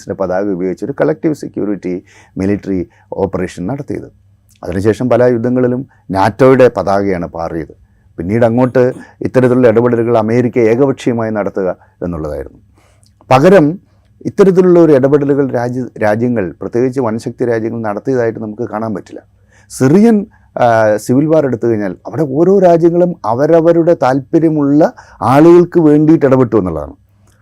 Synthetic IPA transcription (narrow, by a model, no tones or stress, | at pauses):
sindepɐðaːɣɐubɐjoːɡit͡ɕːo̞ɾukɐɭɐk̚ʈiʋsekʲːjṵːriʈːi | miliʈːɐri | o̞̰ːpːɐre̞ːʂɐnnɐɽɐt̪ːijɐ̰ðɨ | ɐ̰ðinɨɕe̞ːʂɐmpɐlɐjud̪ʱːɐŋːɐɭilum | naːtːo̞ːjuɽe̞pɐðaːɣɐjaːɳɨpa̰ːrijɐðɨ | pinːiːɽɐŋːo̞ːʈːɨḭt̪ːɐɾɐt̪ːiluɭːɐeɽɐbeɽɐluɣɐɭɐme̞ːɾikʲːɐeːɣɐʋɐkʂijɐmaːjinɐɽɐt̪ːuɣɐ | e̞̰nːuɭːɐða̰ːjḭɾṵnːu | pɐɣɐɾɐm | it̪ːɐɾɐt̪̬ːiluɭːɐo̞ɾueɽɐbeɽɐluɣɐɭɾaːd͡ʑɾaːd͡ʑjɐŋːɐɭprɐt̪je̞ːɡit͡ɕːɨʋɐnɐɕɐk̚t̪iɾaːd͡ʑjɐŋːɐɭnɐɽɐt̪ːijɐðaːjiʈːɨnɐmukːɨkaːɳaːnpɐtːilːɐ̰ | sirijɐn | siʋilʋaːre̞ɽut̪ːuɣɐɲːaːlɐʋiɽe̞o̞ːɾo̞ːɾaːd͡ʑjɐŋːɐɭumɐʋɐɾɐʋɐɾuɽe̞t̪aːlpɐɾjɐmuɭːɐ | aːɭuɣɐɭkɨʋe̞ːɳɖiːʈːiɽɐpe̞ʈːuʋenːuɭːɐð̰a̰ɳɨ̰